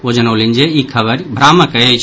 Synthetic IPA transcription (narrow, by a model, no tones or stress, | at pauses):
od͡ʒənəwlind͡ʒeikʰəβəɾbʱɾaməkəjət͡ʃʰ